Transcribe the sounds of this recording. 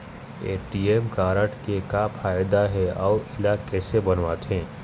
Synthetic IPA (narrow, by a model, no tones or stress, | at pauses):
eːʈiːeːmkaːɾəʈkekapʰaːjd̪aɦɛɔːʊʔɪlakɛːsebɐnʋaːt̪ɦɛ̃ː